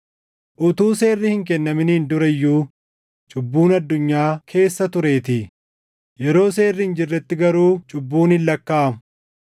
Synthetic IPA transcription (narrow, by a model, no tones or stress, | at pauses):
ʔʊt̪uːse̞ːrːɪhɪŋkɛnːɐmɪnɪːnd̪ʊɾɐjːuː | t͡ʃʼʊbːuːnɐd̪ːʊɲːaːkʰe̞ːsːɐt̪ʊɾe̞ːt̪ɪ | jɛɾo̞ːseːrːɪɪnd͡ʒɪrːɛt̪ːɪɡɐɾuːt͡ʃʼʊbːuːnɪlːɐkːaːɐm